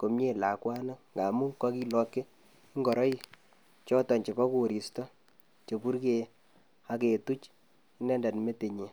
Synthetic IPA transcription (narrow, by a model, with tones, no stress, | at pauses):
ko˨mje˦˨la˨kwa˦na˦ŋɡa˨mu˦kɔ˦ki˦lɔ˨kːe˦ | i˦ŋɡɔ˨ɾɔ˦i˦˨ | t͡ʃɔ˦tɔ˨nt͡ʃe˨pɔ˦ku˦˨ɾi˨stɔ˦ | t͡ʃe˨pu˦ɾke˦˨˦ | a˦ke˨tu˦t͡ʃ | i˦nɛ˦nda˨nme˦te˨ɲe˨